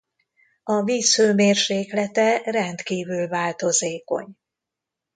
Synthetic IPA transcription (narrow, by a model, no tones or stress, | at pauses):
ɒviːsføːmeːrʃeːklɛt̪ɛrɛnt̪kiːvylvaːlt̪o̞zeːko̞̰ɲ